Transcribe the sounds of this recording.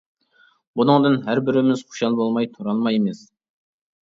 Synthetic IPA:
bunɨŋd̪ɨnɦæɾbɪɾɪmɪz̥χʰʊ̥ʃɑlˠbolˠmɑjt̪ʰuɾɑlˠmɑjemɪs

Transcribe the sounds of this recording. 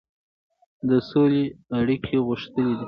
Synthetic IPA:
d̪əsoleaɽikʰeɣʊʃt̪əled̪i

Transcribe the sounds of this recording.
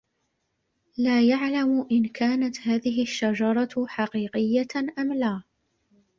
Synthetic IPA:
laːjaʕlamʔɪnkʰaːnat̪haːðɪɦɪʔaʃːad͡ʒɑɾˤɑħɑqiːqɪjːaʔamlaː

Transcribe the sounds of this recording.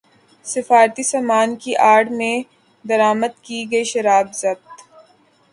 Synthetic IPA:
sɪfaːɾt̪isamaːnkiʔaːɖmẽ | d̪ɐɾaːməd̪̚kiɡɐiʃɐɾaːbzɐb̚t̪

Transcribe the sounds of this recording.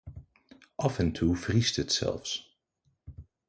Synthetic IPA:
ʔɑfɛntʰuvristətsɛ̰lˠfs

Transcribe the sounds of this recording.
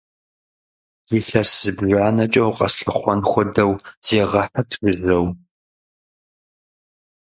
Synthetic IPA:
jɪɬɐsz̥ɨbʒʷaːnɐt͡ʃʼɐwqʼɐ̰sɬɨχʷɔnxʷɔdɐwz̥eːʁɐħɐtʰrʷʊzɐw

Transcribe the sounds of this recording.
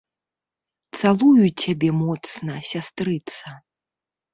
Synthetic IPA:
t̪salˠujut͡sʲabʲɛmɔt̪snɐsʲast̪ɾɨt̪sɐ

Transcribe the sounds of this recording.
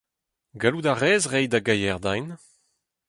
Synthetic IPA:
ɡaludaʁɛːzʁɛjdaɡajɛʁd̪ajn

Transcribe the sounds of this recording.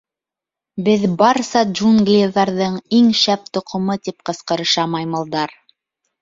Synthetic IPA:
bɘðbɑɾsɑd͡ʒunɡlʲiðɑɾðɤɴiŋʃæp̚t̪ŏqʰŏmɤt̪ip̚qɤ̆sqɤ̆ɾɤ̆ʃɑmɑjmɤ̆lˠd̪ɑɾ

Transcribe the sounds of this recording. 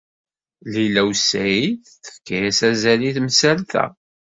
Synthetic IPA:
lilæwsːæjiθθə̥fkæjæsæzæliθmsælθæ̰

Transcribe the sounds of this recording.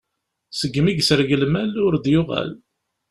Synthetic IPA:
səɡːmiɡsəɾɡəlmælʊɾd̪jʊʁa̰l

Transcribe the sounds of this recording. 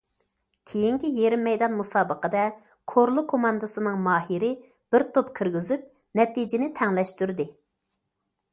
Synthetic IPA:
kʲʰejiŋkʲijeɾɪmːɛjd̪ɑnmusɑːbəqəd̪ɛ | kʰoɾlˠʊkʰomɑnd̪ɨsɨnɨŋmɑːɦiɾɪ | b̥ɪɾt̪ʰopkʲʰiɾɡʲizyp̚ | nɛt̪id͡ʒɪnɪt̪ʰɛŋlɛʃt̪yɾd̪ɪ

